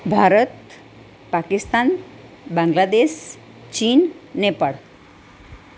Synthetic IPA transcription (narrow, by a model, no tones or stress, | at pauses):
bʱaɾət̪ | pakist̪an | bãŋɡlad̪eɕ | t͡ɕiːnːepaɽ